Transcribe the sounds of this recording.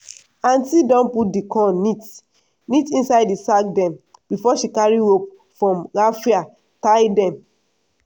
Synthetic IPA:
ãntidɔ̃nput̚dikʰɔ̃nit | nitĩnsaɪdisak̚dɛ̃m | bifɔʃikaɹiop̚ | fɹɔ̃mɾafia | tajdɛ̃m

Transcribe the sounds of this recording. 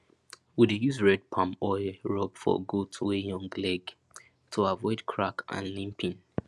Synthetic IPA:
widejuzɹɛd̚pʰãmɔɪɹɔbfɔ̰ɡutʰwejɔ̃ŋɡlɛɡ | tʰuavɔɪdkʰɹakʔã̰nlĩmpʰĩn

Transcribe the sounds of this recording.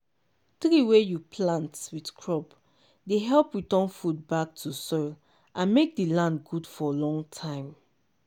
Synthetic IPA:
tɾiwejupʰlãntwidkʰɹɔp | deɦɛlpjitɔ̃nfud̚bak̚tʰusɔɪl | ʔãnmek̚dilãndɡudfɔlɔ̃ŋtʰãɪ̃m

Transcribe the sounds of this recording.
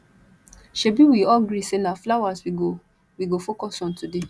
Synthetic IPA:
ʃebiwiɔlɡɾisenaflawaswiɡo | wiɡofokɔsɔ̃ntude

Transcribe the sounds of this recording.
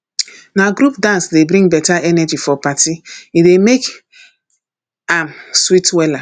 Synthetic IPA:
naɡɾupdãnsdebɾĩŋɡbɛtaʔɛnɛd͡ʒifɔpatiidemek | amswitwɛla

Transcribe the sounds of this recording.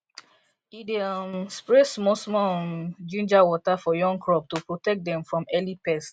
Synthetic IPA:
idimspɹesmɔsmɔnd͡ʒũnd͡ʒawɔtafɔjɔ̃ŋɡkɹɔp̚tupɹotɛk̚dɛ̃mfɹɔ̃mɛlipɛst

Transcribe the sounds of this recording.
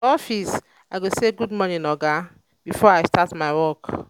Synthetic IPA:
ɔfis | aɪɡoseɡudmɔnĩnɔɡa | b̥ifɔɹajstatmaɪwɔk

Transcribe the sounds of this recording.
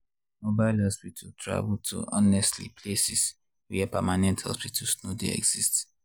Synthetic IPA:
mobaɪlhɔspitʰaltʰɹa̰vltʰṵʔɔnɛstlḭpʰlesis | wɛpɛmanɛ̃nthɔ̰spitʰalsnodḛɛ̰ɡz̥ist

